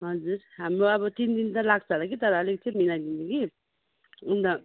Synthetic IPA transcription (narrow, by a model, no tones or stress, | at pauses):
ɦʌd͡zuɾɦamɾoʌbʌt̪ind̪int̪ʌlaɡt͡sʰʌlakit̪ʌɾʌʌlek̚t͡sʰiminaɡ̪indiki | und̪a